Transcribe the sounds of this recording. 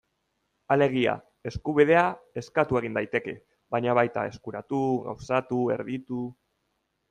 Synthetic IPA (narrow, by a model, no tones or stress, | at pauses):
ale̞ɣ̞ia̰ | e̞skuβ̞ið̞e̞ae̞skat̪ue̞ɣind̪ajt̪e̞ke̞ | βaɲaβajt̪a̰e̞skuɾat̪uɣa̰wsat̪ue̞̰ɾðit̪u